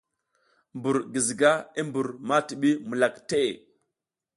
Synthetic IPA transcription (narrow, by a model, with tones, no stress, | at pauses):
mbu˨ɾɡi˨zi˨ɡa˦i˦mbu˨ɾma˦ti˨ɓi˦mu˨la˨kte˦e˨